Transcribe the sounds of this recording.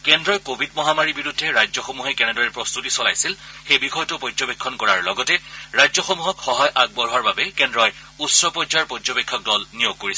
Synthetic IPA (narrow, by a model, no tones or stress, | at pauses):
kɛndɹɔjkobʱidmɔɦamaɹibiɹudʱːɛɹajzɔxomuɦɛkɛnɛdɔɹɛpɹɔst̪utisɔlajsilxejbixʰɔjtɔpɔzɔbekʰːɔnkɔɹaɹlɔɡɔtɛɹajzɔxomuɦɔkxɔɦajʔaɡ̚bɔɹɦaɹbabɛkɛndɹɔj | usɹɔpɔzaɹpɔzɔbekʰːɔk̚dɔlnijoɡ̚koɹisɛ